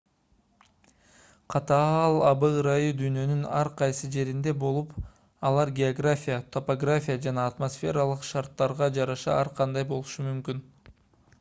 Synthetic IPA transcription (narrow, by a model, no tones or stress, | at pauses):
qʰɑt̪ɑɑlˠɑbɯɾajɯd̪yjnø̞nynɑɾqʰɑjsɯd͡ʒe̞ɾind̪e̞bo̞lˠup | ɑlˠɑɾɡʲeoɡrafʲijat̪ʰo̞poɡrafʲijad͡ʒɑnɑːt̪mo̞sfʲe̞ɾɑlˠɯqʃɑɾt̪ːɑɾʁɑd͡ʒɑɾɑʃɑ̰ɑɾqʰɑnd̪ɑjbo̞lˠuʃumymkyn